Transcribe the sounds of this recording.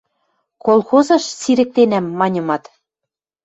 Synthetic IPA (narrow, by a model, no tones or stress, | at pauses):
kolˠxozɤ̆ʃsiɾɘ̆k̚t̪enæmːɑnʲɤ̆mɑt̪